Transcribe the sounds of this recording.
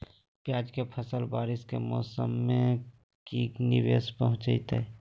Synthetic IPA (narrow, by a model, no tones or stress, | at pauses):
pjaːd͡ʒkepʰəsəlbaːɾɪskemɔ̰ːsəmːẽ | kiːkniʋeːspəɦʊ̃t͡ʃəit̪ɛ̰